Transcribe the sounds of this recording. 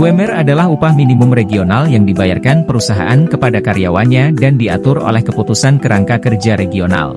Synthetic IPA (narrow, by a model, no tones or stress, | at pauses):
uɛmɛradalahupahminimʊmreɡionaljaŋdibaja̰rkanpəɾusaɦa̰ʔankəpadakaɾjawanɲadandia̰t̪ʊro̰lɛhkəput̪usankəɾʔaŋkakərd͡ʒaɾeɡiona̰l